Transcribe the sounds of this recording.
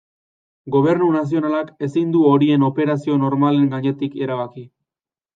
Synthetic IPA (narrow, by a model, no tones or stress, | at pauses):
ɡo̞β̞e̞ɾnunas̬io̞nalake̞sind̪uo̞ɾie̞no̞pe̞ɾasio̞no̞ɾmale̞ŋɡaɲe̞t̪ike̞ɾaβaki